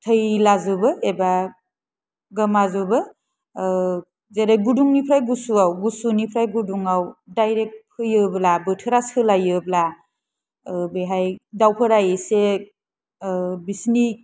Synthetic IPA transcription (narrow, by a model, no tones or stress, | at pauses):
tʰəjlazɯbɯeba | ɡɐmazɯbɯ | zeɾaɡuduŋnipʰɾajɡusuawɡusunipʰɾajɡuduŋawdajɾek̚t̚pʰɯjɯblabɯtʰɯɾasɯlajɯbla | beɦajdawpʰɯɾajese | bisni